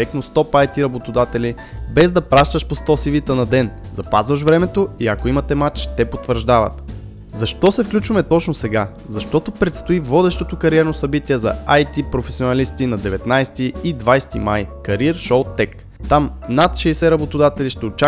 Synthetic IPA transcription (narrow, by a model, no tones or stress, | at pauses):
ɛknost̪ɔpajt̪iɾɐbot̪od̪at̪ɛli | bɛzd̪ɐpɾaʃt̪əʃpost̪ɔsivit̪ənɐd̪ɛnzɐpazvɐʃvɾɛmɛt̪oiɐkoimɐt̪ɛmat͡ʃt̪ɛpot̪vəɾʒd̪avɐ̰t̪ | zɐʃt̪ɔsɛfklʲut͡ʃvɐmɛt̪ɔt͡ʃnosɛɡa | zɐʃt̪ɔt̪opɾɛt̪st̪oivɔd̪ɛʃt̪ot̪okɐɾiɛɾnosɐbit̪ʲiɛzɐ̰ajt̪ipɾofɛsionɐlist̪inɐd̪ɛvɛt̪najst̪iid̪vajst̪ima̰jkɐɾiɾʃowt̪ːɛk | t̪amnat̪ʃɛjsɛɾɐbot̪od̪at̪ɛliʃt̪ɛot͡ʃa